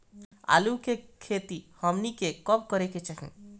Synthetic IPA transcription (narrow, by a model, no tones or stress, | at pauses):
a̰ːlukekʰeːt̪ihəmnikekɔp̚kəɾeket͡ʃɐɦḭ̃